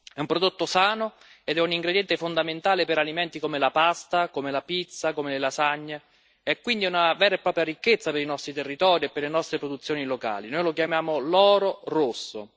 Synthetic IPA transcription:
ɛumpɾod̪ot̪ːosaːno | ed̪ɛuniŋɡɾed̪jɛnt̪efond̪ament̪aːlepeɾalimɛnt̪ikomelapast̪akomelapit̪sːakomelelasaɲːe | ɛkːwind̪iunavɛːɾaepːɾɔːpɾjaɾikːet̪sːapeɾinɔst̪ɾit̪erːit̪ɔːɾiepːeɾlenɔst̪ɾepɾod̪ut̪sːjoːniloka̰ːlinojlokjamjaːmolɔːɾorosːo̰

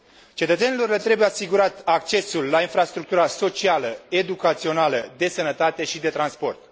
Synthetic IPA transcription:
t͡ʃe̞t̪ət̪se̞nilo̞rlet̪ɾe̞bujeasiɡuɾat̪ak̚t͡ʃe̞sulːainfɾast̪ɾuk̚t̪uɾaso̞t͡ʃialəe̞d̪ukat̪sio̞naləd̪e̞sənət̪at̪e̞ʃid̪e̞t̪ɾanspo̞̰rt̪

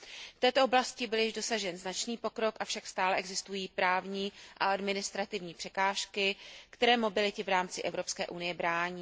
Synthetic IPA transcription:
ft̪ɛːt̪oʔoblascɪbɪljɪʒdo̞saʒɛnznat͡ʃniːpo̞kɾo̞kʔafʃakst̪aːlɛʔɛɡzɪst̪ujiːpɾaːvɲiːʔaʔadmɪnɪst̪ɾat̪ɪvɲiːpr̥ɛkaːʃkɪkt̪ɛɾɛːmo̞bɪlɪt̪ɪvɾaːmt͡sɪʔɛvɾo̞pskɛ̰ːʔunɪjɛbɾaːɲiː

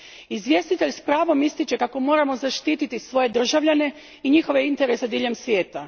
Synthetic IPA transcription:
izʋʲje̞st̪it̪e̞ʎspɾaːʋo̞mist̪it͡ɕe̞kako̞mo̞ːɾamo̞zaʃt̪iːt̪it̪isʋo̞je̞d̪r̩ʒaʋʎane̞ | iɲixo̞ʋeint̪e̞ɾe̞sed̪iːʎe̞msʋje̞ːt̪a

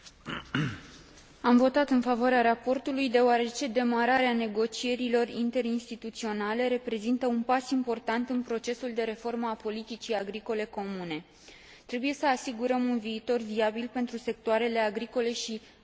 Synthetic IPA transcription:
amvo̞t̪at̪ɨnfavoaɾeaɾapo̞rt̪ulujd̪e̞oaɾe̞t͡ʃe̞d̪e̞maɾaɾeane̞ɡo̞t͡ʃie̞ɾilo̞rint̪e̞ɾinst̪it̪ut̪sio̞nale̞ɾe̞pɾe̞zint̪əunpasimpo̞rt̪ant̪ɨnpɾo̞t͡ʃe̞suld̪e̞ɾe̞fo̞rməapo̞lit̪it͡ʃiaɡɾiko̞le̞ko̞mune̞ | t̪ɾe̞buje̞səasiɡuɾəmunviːt̪o̞rviabilpe̞nt̪ɾuse̞k̚t̪oaɾe̞le̞aɡɾiko̞le̞ʃi

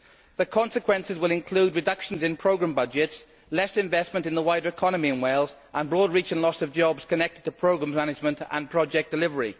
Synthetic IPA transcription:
ðəkʰɒ̃nsɪkʰwɛ̃nsɪzwɪlɪ̃nkʰl̥uːdɹɪdʌkʃə̃nzɪ̃npʰɹ̥oʊɡɹãmbʌd͡ʒɪts | lɛsɪ̃ɱvɛsmə̃ntɪ̃nðəwaɪdəɹɪkʰɒnəmiə̃nweɪlˠz | ʔə̃nbɹɔːdɹiˑt͡ʃə̃nlɒsəvd͡ʒɒbz̥kʰənɛk̚tɪd̚tʰəpʰɹ̥oʊɡɹãmmanɪd͡ʒmə̃ntə̰̃npʰɹ̥ɒd͡ʒɛk̚d̥ɪlɪvəɹḭ

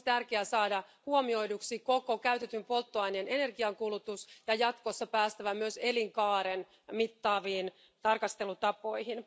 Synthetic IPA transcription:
t̪ærkeæsɑːdɑhuomio̞iduksikokokæyt̪et̪ympo̞lt̪ːoɑjnene̞ne̞rɡiɑŋkulut̪usjɑjɑt̪kosːɑpæːst̪æʋæmyøse̞liŋkɑːɾen | mit̪ːɑːʋiːn | t̪ɑrkɑst̪elut̪ɑpo̞ihin

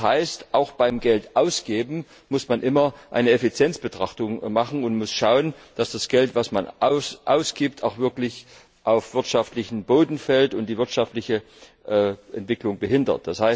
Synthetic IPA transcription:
haɪstʔaʊxb̥aɪmɡɛltʔaʊsɡ̥eːbm̩ | mʊsmanʔɪmɐʔa̰ɪnəɛfit͡sjɛnt͡sb̥ətʁ̥aχtʊŋmaχn̩ʊntmʊsʃaʊən | d̥asd̥asɡ̥ɛltv̥asmanʔʊsʔaʊsɡ̥iːp̚tʰaʊxv̥ɪɐklɪç | ʔaʊfv̥ɪɐtʃaftlɪçn̩boːdn̩fɛltʊntd̥iːvɪɐtʃaftlɪçə | ʔʔɛntv̥ɪklʊŋbəɦɪndɐ̰t̚d̥ashaɪs

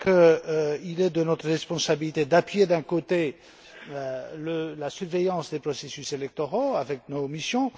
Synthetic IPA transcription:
kəilɛd̪ənɔt̪χəʁɛspɔ̃sabilit̪ed̪apɥed̪ɛ̃kot̪e | øləlasyʁvɛjɑ̃sd̪epχɔsesyselɛk̚t̪ɔʁoavɛk̚nomisjɔ̃

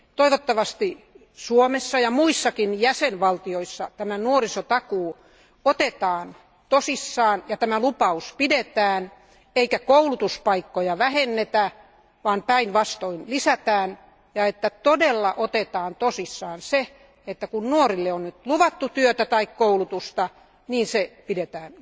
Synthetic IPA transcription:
t̪oiʋot̪ːɑʋɑst̪i | suomesːɑjɑmuisːɑkinjæsenʋɑlt̪ioisːɑt̪æmænuorisot̪ɑkuː | ot̪et̪ɑːn | t̪osisːɑːnjɑt̪æmælupɑuspidet̪æːn | eikækoulut̪uspɑikːojɑʋæhenːet̪æ | ʋɑːnpæinʋɑst̪oinlisæt̪æːn | jɑet̪ːæt̪odelːɑʔot̪et̪ɑːnt̪osisːɑːnse | et̪ːækunnuorilːeonnyt̪luʋɑt̪ːut̪yøt̪æt̪ɑikkoulut̪ust̪ɑ | niːnsepidet̪æːn

